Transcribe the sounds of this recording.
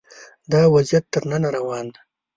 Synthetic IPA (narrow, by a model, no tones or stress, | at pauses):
d̪ɑwazjat̪ːəɾnanaɾawɑn